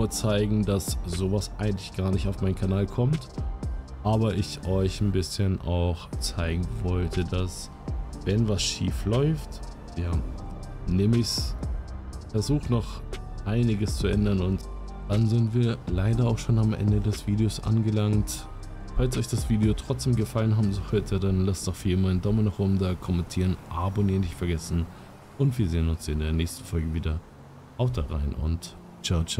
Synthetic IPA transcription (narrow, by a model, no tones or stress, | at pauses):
ɐt͡saɪɡŋ̩dasz̥oːvasʔaɪɡŋ̩tlɪçɡ̥aːɐnɪçtaʊfmaɪnkʰanaːlkʰɔmt | ʔaːbɐʔɪçʔɔʏçn̩bɪsçənʔaʊxt͡saɪɡŋ̩vɔltʰədas | vɛnvasʃiːflɔʏft | jaː | neːməɪç | fɛɐzuːxənɔχ | ʔaɪnɪɡəst͡suʔɛndɐnʊnt | d̥anzɪntv̥iːɐlaɪdɐaʊxʃoːnamʔɛ̰ndədɛsv̥iːdeosʔa̰nɡəlaŋt | falsʔɔʏçd̥asv̥iːdeotʁ̥ɔt͡sd̥eːmɡəfalənɦaːbm̩zoœtʰədanlasɔfiːmaːɪndɔmənaχʔoːbm̩daːkʰɔmɛntʰiːʁənʔaboniːnɪçtfɛɐɡɛsn̩ | ʔʊntv̥iːɐzeːənʊnsɪndeːɐnɛːçstn̩fɔlɡəviːdɐ | ʔaʊxdaʁa̰ɪnʊ̰nt | t͡ʃɛɐt͡ʃ